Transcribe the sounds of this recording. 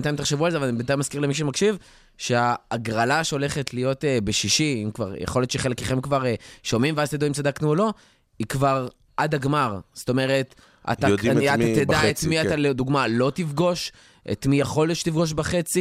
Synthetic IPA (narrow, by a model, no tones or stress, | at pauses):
ntajimt̪̬aχʃe̞vualzevalanibentajmaskiʁlemiʃ̬emakʃiv | ʃeaːɡʁalaʃeo̞le̞χe̞tlijo̞tebeʃiʃiimkva̰ʁjḛχo̞letʃeχelekeχemkvaʁeʃomimveazt̪iduimt͡sad̪aknuolo̞ | ikvaʁ | ʔad̪aɡmaʁst̪o̞me̞ʁet̪ | a̰t̪aodkanijaat̪ed̪aet̪miat̪alod̪uɡmalo̞tifɡo̞ʃ | ʔḛt̪mijaχo̞lʃet̪ifɡo̞ʃ̬baχe̞t͡si